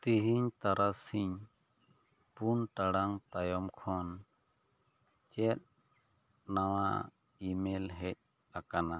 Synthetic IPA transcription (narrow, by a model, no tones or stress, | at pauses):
t̪iɦiɲt̪aɾasiɲ | punʈaɽaŋt̪ajɔmkʰɔn | t͡ʃɛt̪̚ | naw̃a | imɛlɦɛc̚ | akana